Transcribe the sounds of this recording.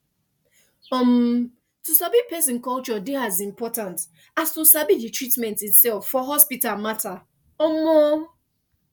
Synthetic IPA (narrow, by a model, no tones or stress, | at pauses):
ɔm | tusabipɛsɪ̃nkɔlt͡ʃɔdɪhazĩmpɔtãnt | astusabid͡ʒitɹitmɛ̃ntitsɛlfːɔɦɔspitalmata | omo